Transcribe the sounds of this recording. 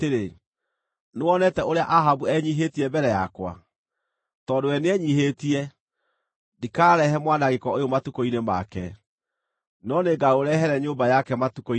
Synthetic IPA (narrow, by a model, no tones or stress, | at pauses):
eɾe | newɔnɛtɛoɾeaʔaɦabuɛɲiɦetiɛbɛɾɛjakwa̰ | tɔdowɛneɛɲiɦetiɛ | dikaːɾɛɦɛmwanaɣekɔojomatukoinema̰kɛ̰ | nɔneɡaoɾɛɦɛɾɛɲoːmbajakɛmatukoi